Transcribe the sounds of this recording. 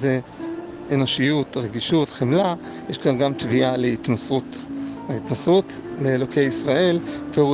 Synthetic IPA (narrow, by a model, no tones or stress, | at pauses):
ze | eno̞ʃijut̪ʁeɡiʃutχemla | jeʃkvanɡamt̪vialeit̪mosutait̪nosut | leːlokʰejisʁaʔe̞lpeʁu